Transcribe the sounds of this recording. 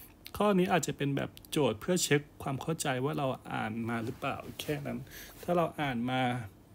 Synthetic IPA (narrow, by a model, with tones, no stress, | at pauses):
kʰɔː˥˩niː˦˥ʔaː˨˩t̪̚t͡ɕa˨˩pe˧nbɛ̰ː˨˩p̚t͡ɕoː˨˩t̪̚pʰɯ˥˩ɐt͡ɕʰɯ˦˥kʰːwaː˧mkʰa˥˩wt͡ɕa˧jwaː˥˩ɾa˧wʔa̰ː˨˩nmaː˧ɾɯ˦˥pla̰ː˨˩wkʰɛː˥˩na˦˥nt̪ʰaː˥˩ɾa˧wʔaː˨˩nmaː˧